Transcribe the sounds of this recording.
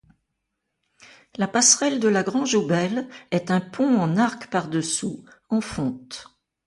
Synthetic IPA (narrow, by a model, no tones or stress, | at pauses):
lapasχɛld̪əlaɡʁɑ̃ʒobɛlɛt̪ɛ̃pʰɔ̃ɑ̃naʁkpaʁd̪əsu | ɑ̃fɔ̃t̪